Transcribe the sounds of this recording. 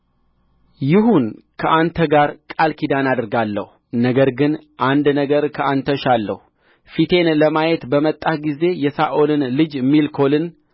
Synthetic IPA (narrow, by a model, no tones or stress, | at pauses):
jɪɦunkʰəʔant̪ʰəɡaɾkʼalkʰid̪anad̪ɨɾɡalːə̰hunəɡəɾɡɨnʔand̪nəɡəɾkʰəʔant̪ʰəʃalːə̰hu | fit̪ʰe̞nləmajet̪bəmət̪ʼːaɡize̞jɛsaʔo̞lɨnlɨd͡ʒmːilkʰo̞lɨn